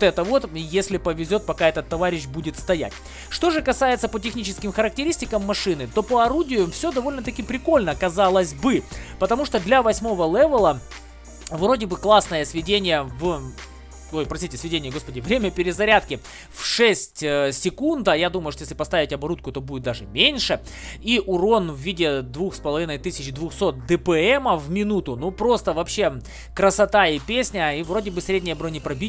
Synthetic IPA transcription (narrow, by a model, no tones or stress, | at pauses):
t̪ɛt̪əvo̞t̪jesʲlʲɪpəvʲɪzʲo̞t̪̚pɐkaɛt̪ət̪ːɐvaɾʲɪɕ̬budʲɪt̪st̪ɐjæ̰tʲ | ʂt̪o̞ʐɨkɐsajɪt̪səpətʲɪxnʲit͡ɕɪskʲɪmxəɾək̚tʲɪɾʲisʲtʲɪkəmːɐʂɨnɨt̪o̞pəɐɾudʲɪjʊmfsʲod̪ɐvo̞lʲnət̪ɐkʲɪpɾʲɪko̞lʲnəkɐzalˠəzʲbɨpət̪ɐmuʂt̪od̪lʲɐvɐsʲmo̞vəlˠɛvəlˠə | vro̞dʲɪbɨklˠasnəjəsvʲɪdʲenʲɪjəv | ojpɾɐsʲitʲɪsvʲɪdʲenʲɪjəɡo̞spədʲɪvɾʲemʲəpʲɪɾʲɪzɐɾʲat̪kʲɪ | fʂɛsʲtʲsʲɪkund̪əjad̪uməjʊʂt̪ojeslʲɪpɐst̪avʲɪtʲɐbɐɾut̪̚kʊt̪o̞budʲɪt̪̚d̪aʐɨmʲenʲʂɨ | iʔʊɾo̞nvːʲidʲɪd̪vuxspəlˠɐvʲinəjt̪ɨsʲɪt͡ɕd̪vuxso̞t̪̚d̪ɨpɛɛməvmʲɪnut̪ʊnupɾo̞st̪əvɐpɕe̞ | kɾəsɐt̪aipʲesʲnʲəivro̞dʲɪbɨsʲɾʲedʲnʲɪjəbɾonʲɪpɾɐbʲi